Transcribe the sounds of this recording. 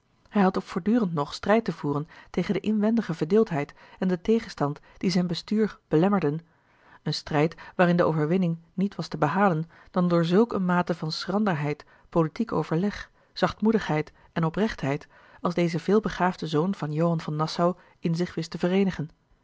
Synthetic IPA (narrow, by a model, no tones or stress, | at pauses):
hɛjɦɑtopfʊːɹdyːrəntnɔχstrɛjtəvuːrəntejχəndəʔɪnʋɛndəχəvəɹdɪːlˠtɦɛjtɛndətejχənstɑntd̥izɛjnbəstyːɹrb̥əlɛməɹdən | ənstrɛjtʋaːrɪndəʔo̰wvəɹʋɪnɪŋnitʋɑstəbəɦaːlən | d̥ɑndʊːɹzɵlˠkənmaːtəvɑnsrɑndəɹɦɛjt | politiko̰wvəɹlɛχ | z̥ɑχtmudəχɦɛjt | ɛnɔprɛχtɦɛjt | ɑlˠzdejzəvɪːlˠbəχaːvdəzownv̥ɑnjowɦɑnvɑnːɑsaw | ɪnzɪχʋɪstəvəreːnəχən